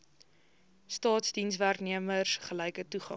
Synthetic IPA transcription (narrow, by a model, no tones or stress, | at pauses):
stɑːtsdinsværkniəmərsχəlɛjkətuχɑ̰